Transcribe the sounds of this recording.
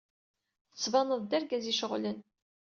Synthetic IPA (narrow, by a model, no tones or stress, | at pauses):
θə̥t͡sːvɑnəðˤd̪æɾɡæziʃəʁlən